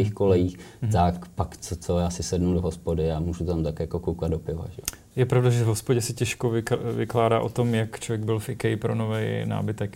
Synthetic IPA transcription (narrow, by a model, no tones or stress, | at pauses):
ixkolɛjiːxt̪akpakt͡sot͡sojaːsɪsɛdnudoɦospodɪamuːʒut̪amt̪akjakokowkad̪̚dopɪva̰ʒɛo | jɛpɾavdaʒɛvɦospoɟɛsɪcɛʃkovɪvɪklaːdaːʔot̪omjakt͡ʃlvjɛɡ̚bɪlfʔɪkɛjɪpɾonovɛjna̰ːbɪt̪ɛk